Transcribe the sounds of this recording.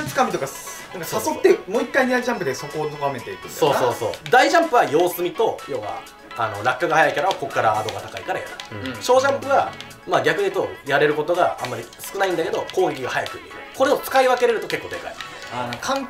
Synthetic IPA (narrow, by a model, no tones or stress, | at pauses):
t͡si̥kamʲit̪o̞ka | nãŋkasasot̪ːemoːikːaiɲd̪aiʑãmpɯ̟d̪eso̞ko̞ːnoɡame̞t̪eit̪eso̞ːso̞ːso̞ːd̪aiʑãmpɯ̟βajo̞ːsɨmʲit̪o̞jo̞ːβa̰ | ano̞̰ɾakːɯɡahajaikaɾaβako̞kːaɾaːd̪o̞ɡat̪akaikaɾaja̰ɾɯɕo̞ːʑãmpɯ̟βa | maɡʲakɯ̟ɲ̟it̪o̞jaɾe̞ɾɯ̟ko̞t̪o̞ɡaã̰mːaɾʲi | sɨ̥kɯ̟naĩnd̪ake̞d̪o̞ko̞ːɡiɡʲiɡahajakɯ̟ɲʲḭɾɯ̟̰ko̞ɾe̞o̞t͡sɨ̥kaiβake̞ɾe̞ɾɯ̟t̪o̞ke̞kːo̞ːd̪eka̰ḭ | kʰãŋ